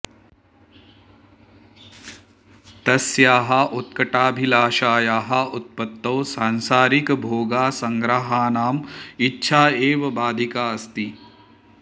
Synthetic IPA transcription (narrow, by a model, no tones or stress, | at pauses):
t̪ɐsjaːɦɐʔut̪kɐʈaːbʱilaːʃaːjaːɦɐut̪̚pɐt̪ːoːsaːnsaːɾikbʱoːɡaːsɐŋɡɾɐɦaːnaːmitːʃʰaːeːʋɐbaːd̪ʱikaːɐst̪i